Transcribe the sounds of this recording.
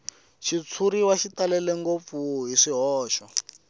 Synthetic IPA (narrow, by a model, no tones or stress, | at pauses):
ʃit͡sʰuɾiwaʃitalɛlɛŋɡop̪fuɦiʂiɦɔːʃɔ